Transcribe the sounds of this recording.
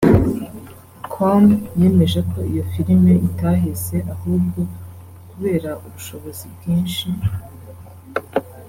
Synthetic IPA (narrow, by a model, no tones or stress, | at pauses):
kʰomje̞ːme̞ʒeko̞ijo̞fiɾime̞itaɦese̞ʔahuːb̚ɡo̞ | kuβe̞ːɾaʔuβuʃo̞βo̞zibɡiːnʃi